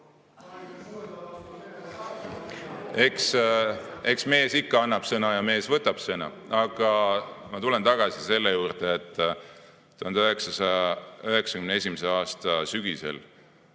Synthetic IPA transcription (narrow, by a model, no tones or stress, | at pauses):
e̞ks | e̞ksme̞ːsikːɑɑnːɑb̥sɤnɑjɑme̞ːsvɤt̪ːˑɑb̥sɤnɑ̰ | ɑɡ̥ɑmɑt̪ule̞nt̪ɑɡ̥ɑsise̞lːejuːrd̪̥eːt̪ˑː | uɦɑnd̪øɦe̞ksɑsɑɑøɦe̞ksɑkymnee̞sʲimese̞ɑːst̪ɑsyɡ̥ise̞̰l